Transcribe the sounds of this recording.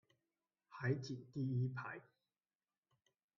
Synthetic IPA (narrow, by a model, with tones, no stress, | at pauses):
hɐ˨˥jt͡si˨˩t̪iː˥iː˥pʰa̰ː˨˩j